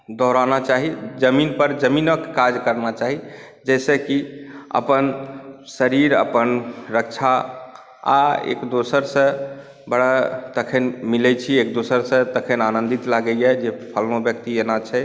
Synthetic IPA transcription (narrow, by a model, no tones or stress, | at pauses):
d̪ɔɾanat͡ʃaɦid͡ʒəminpəɾd͡ʒəminəkkad͡ʒkəɾnat͡ʃaɦi | d͡ʒɛsəkiə̰pənsəɾiɾə̰pənɾəkt͡ʃʰa | a̰ḛkd̪osəɾsə̃ | bəɽat̪əkʰenmilɛt͡ʃʰiekd̪osəɾsə̃t̪əkʰenanə̃nd̪it̪laɡɛjɛd͡ʒepʰəlnobjəkt̪ienat͡ʃʰɛ